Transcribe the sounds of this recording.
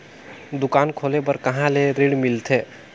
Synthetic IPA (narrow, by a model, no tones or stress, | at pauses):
d̪ukankʰolepəɾkəɦãleɾiɽmilt̪ʰe